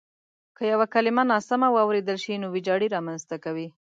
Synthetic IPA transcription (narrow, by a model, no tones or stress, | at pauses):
kəjawakalɪmanɑsamawɑwɾed̪əlʃinowɪd͡ʒɑɽiɾɑmanzt̪akawi